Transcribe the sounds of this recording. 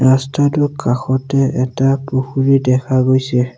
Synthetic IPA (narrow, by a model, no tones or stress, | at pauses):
astadukʰaxɔtɛɛtapoxuɾidɛkaɡojse